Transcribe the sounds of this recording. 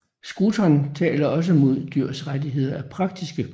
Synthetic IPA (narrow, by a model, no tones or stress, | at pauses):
sɡ̥ut͡sʰɒnt͡sʰɛ̰ːlɐɒ̽s̬əmo̝ð̞̰ˠd̥yɐ̰sʁadiɦe̝ð̞̰ˠɐæpʰʁɑ̈ɡ̥̚d̥isɡ̥ə